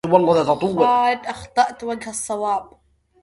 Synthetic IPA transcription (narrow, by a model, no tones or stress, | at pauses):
wɑlˤːɑðat̪ɑt̪ˤʊwːd̪ʔɑxt̪ˤɑʔt̪waɡhɑsˤːɑwɑːb̚